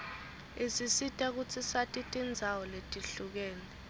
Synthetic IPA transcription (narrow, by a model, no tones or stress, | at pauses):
isisitʼak̬ut͡sʰisatʼitʼind͡zʱawɔletʼiɬuk̬ɛːlɛ